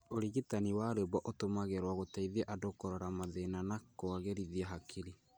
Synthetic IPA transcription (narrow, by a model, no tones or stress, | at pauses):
oɾiɣitaniwaɾeβɔʔotomaɣɛɾwaɣotaiðiɛʔadokɔɾɔɾamaðenanakoaɣeɾiðiaɦakʰiɾi